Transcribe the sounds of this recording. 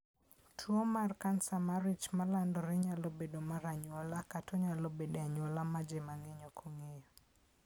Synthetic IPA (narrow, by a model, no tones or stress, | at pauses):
tʰwomarkansamaɾit͡ʃmalandɔɾɛɲalobedomaɾaɲwɔlakatʰɔɲalobedeaɲwɔlamad͡ʒemaŋɛɲɔkʰoŋejo